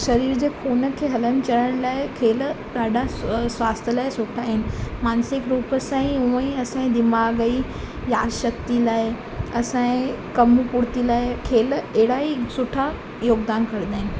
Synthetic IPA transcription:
ʃɐɾiːɾd͡ʑeːkʰoːnə̆kʰeːɦɐlənɪ̆t͡ɕɐɽəɽ̃laːɪkʰeːl | ɗ̪aːɖʱasʋaːst̪ʰjəlaːɪsʊʈʰaːɦɪnɪ̆maːnsɪkɾuːpəsãːĩũə̃ĩɐsãĩd̪ɪmaːɡəi | jaːʃɐk̚t̪ilaːɪ | ɐsãẽ | kɐmupʊɽt̪ilaːɪkʰeːlɛɦɪɽaisʊʈʰa | joːɡd̪aːnkɐɾd̪aːɦɪnɪ̆

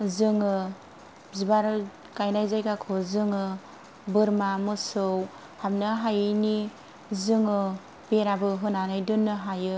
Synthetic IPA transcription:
zɯŋɯ | zibaɾ | kajnajzajkakʰozɯŋɯ | bɯɾmamɯsɯw | hamnɯɦajɯni | zɯŋɯ | beɾabɯɦɯnanɯjdɯnːɯɦajɯ

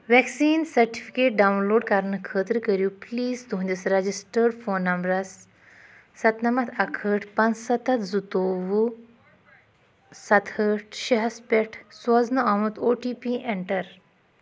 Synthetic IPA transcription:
ʋɛksiːnsɐɾʈifi̥keːʈ̚ɖawnloːɖkaɾɳɨkʰəːt̪ɾkəɾjupliːzd̪uɦnʲd̪isɾɐd͡ʑisʈəɾɖfoːnːɐmbɾɐsː | ɐt̪nɐmɐt̪ʰɐkʰəːʈʰpɐnt͡ssɐt̪ɐt̪zut̪oːʋu | sɐt̪ʰəʈ̚ʃiɦɐspʲeʈʰsɐznuaʋũt̪oːʈiːpiʔeɳʈɐɾ

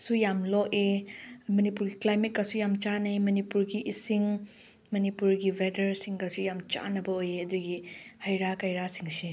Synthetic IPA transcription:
sujamlɔʔemɐnipuɾɡiklajmet̚kɐsujamt͡ʃanajmɐnipuɾɡiʔːsiŋ | mɐnipuɾɡibedɐɾsiŋɡɐsujamt͡ʃa̰nɐbɐojeɐduɡihɐjɾakɐjɾasiŋsi

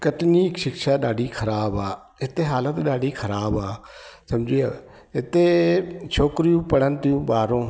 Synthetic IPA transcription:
kəʈniːkʃɪkʃaːɗaːɖiːkʰəɾaːbaː | ɪt̪eːɦaːlət̪ɗaːɖiːkʰəɾaːbaːsəmd͡ʒiːaː | ɪt̪ːeːt͡ʃʰoːkɾiːũːpəɽənt̪ũːbaːɾõː

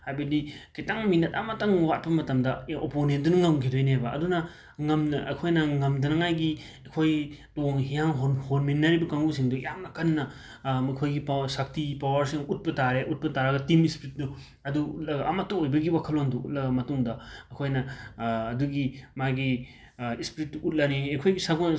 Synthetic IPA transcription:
hajbɐdikitaŋminɐtamɐtaŋwat̚pɐmɐtɐmdɐoponendunɐŋawɡʰidojniɦajbɐʔɐ̰dunɐ | ŋɐmnɐʔɐ̰kʰojnɐŋɐmdɐnɐŋajɡi | ɐkʰojtoŋhijaŋɦhoɾminːɐɾibɐkaŋusiŋdujamnɐkɐnːɐ | mɐkʰojɡipasak̚tipawɐɾsiŋut̚pɐtaɾeʔut̚pɐtaɾɐɡɐtimispɾit̚du | ɐduut̚lɐɡɐʔɐmɐtːuojbɐɡiwakʰɐlonduut̚lɐɡɐmɐtuŋdɐɐkʰojnɐː | duɡimaɡi | ispɾit̚duʔut̚lɐniekʰojɡisaɡo

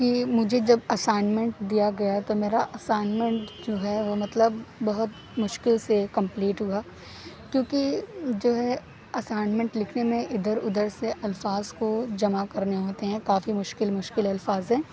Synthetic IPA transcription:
kimʊd͡ʒʱed͡ʒɐbɐsaːɪnmẽɳʈd̪ijaɡɐjat̪omeːɾaʔɐsaːɪnmɛ̃ɳʈd͡ʒoːɦɛʋomɐt̪ləbːɐɦʊt̪ | mʊʃkɪlsekɐ̃mpliːʈɦuaː | kjõːkid͡ʒoːɦɛ | ɐsaːɪnmɛ̃ɳʈlɪkʰnemẽʔɪd̪əɾʊd̪əɾseʔɐlfaːzkod͡ʒɐmakɐɾneɦoːt̪eɦɛ̃kaːfimʊʃkɪlmʊʃkɪlɐlfaːzɦɛ̃ː

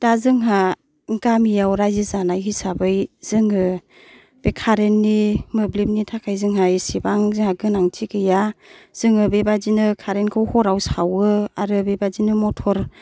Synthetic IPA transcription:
d̥azɯŋɦa | ŋɡamijawɾajzizanajɦisabɯjz̥ɯŋɯ | b̥ekʰaɾenːimɯblip̚nitʰakʰajzɯŋɦajsibaŋzɯŋhaɡɯnaŋtʰikɯjaz̥ɯŋɯbebazinɯkʰaɾenkʰɯwhɔɾawsawɯaɾɯbebazinɯmɔtʰɔɾ

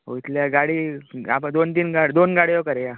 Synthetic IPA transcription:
ɦo̰it̪ljaɡaɽiːa̰pəd̪ont̪iːnɡaɽd̪onɡaɽijokəɾeja

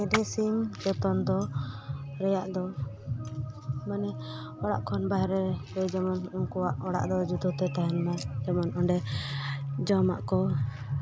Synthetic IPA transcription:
ɛd̪ɛsimd͡ʒɔt̪ɔnd̪ɔ | ɾɛjaʔd̪ɔ | manɛ | ɔɽa̰ʔkʰɔnbaɦɾɛɾɛd͡ʒɛmɔnuŋkɔwaʔɔɽa̰ʔd̪ɔd͡ʒut̪ut̪ɛt̪aɦɛnmad͡ʒɛmɔnɔɳɖɛ | d͡ʒɔma̰ʔkɔ

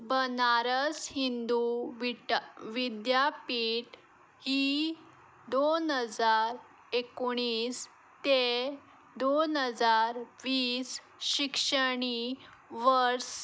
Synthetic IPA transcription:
bənaɾəshind̪uʋʋid̪japiʈ | hi | d̪onɦəd͡zaɾ | ekoɳ̃iːs | t̪e | d̪onɦəd͡zaɾʋiːs | ɕikʂəɽ̃iʋəɾs

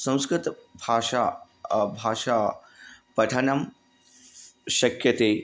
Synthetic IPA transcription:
sɐ̃w̃skɾɪt̪bʱaːʃa | bʱaːʃaːpɐʈʰɐnɐm | ʃɐkjɐt̪eː

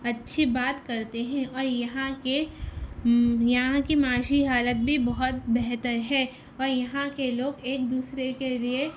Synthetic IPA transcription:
ɐtːʃʰibaːt̪kɐɾt̪eɦɛ̃ɔːɾjɐɦãke | jɐɦãkimaːʃiɦaːlət̪̚bʱibɐɦʊt̪bɛɦt̪əɾɦɛː | ɔːɾjɐɦãkeloːɡeːkd̪uːsɾekelie

